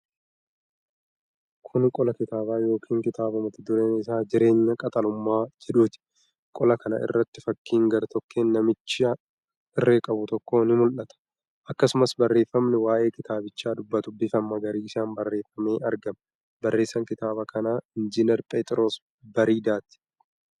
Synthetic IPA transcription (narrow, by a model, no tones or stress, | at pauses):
kʰʊnkʼɔlɐkɪt̪aːbaːjo̞ːkʰiːŋkɪt̪aːbɐmɐt̪ɪd̪ʊɾeːnɪsaːd͡ʒɪɾe̞ːɲːɐkʼɐt̪ʼɐlʊmːaːd͡ʒɛᶑuːt̪ɪ̥ | kʼɔlɐkɐnɐ̰ʔɪ̰rːɐt̪ːɪfɐkːiːŋɡɐɾt̪ʰɔkːeːnːɐmɪt͡ʃːɪa | ɪrːeːkʼɐbʊt̪ɔkːo̞ːnɪmʊlʔɐt̪ɐ̥ | ʔɐkːɐsʊmɐsbɐrːe̞ːfːɐmnɪwaːʔe̞ːkɪt̪aːbɪt͡ʃːaːd̪ʊbːɐt̪ʊbːɪfɐmːɐɡɐɾiːɪsaːnbɐrːe̞ːfːɐmeːʔɐɾɡɐmɐ | bɐrːe̞ːsːɐŋkɪt̪aːbɐkʰɐnaːɪnd͡ʒɪnɛɾpʼet̪ʼɪɾo̞ːs | bɐɾiːd̪aːt̪ɪ̥